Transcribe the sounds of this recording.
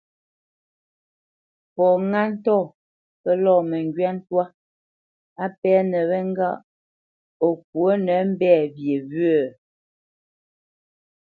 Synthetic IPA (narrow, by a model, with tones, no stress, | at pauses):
pɔ˨ŋa˦n̩˦tɔ˦˨ | pɛ˦lɔː˦˨mɛ˨ŋɡɥɛ˦n̩˦twa˦ | a˦pɛ˦nɛ˨βɛ˦ŋ˦ɡa̰˦ʔ | o˨k̚wo˦nɛ˨˦m̩˦bɛː˦˨bje˨βɥə˨